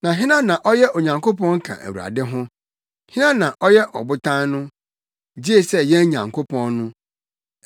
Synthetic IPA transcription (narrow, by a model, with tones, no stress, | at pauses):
nã˨ɦɪ̃˦nã˦nã˨ʔɔ˦jɛ˦ʔo˨ɲã˨ŋkʰo˦pɔ̃˦ŋ̩˦kʰã̰˨ʔæ̰˨wu˨a̰˨dɪ˦ɦʊ̃˦ | hɪ̃˦nã˦nã˨ʔɔ˦jɛ˦ʔɔ̰˨bʊ˦tʰã˦nnʊ̃˦ | d͡ʑi˦e˦sɛ˦jɛ̃˦n˦ɲã̰˨ŋkʰo˦pʰɔ̃˦nːʊ̃˦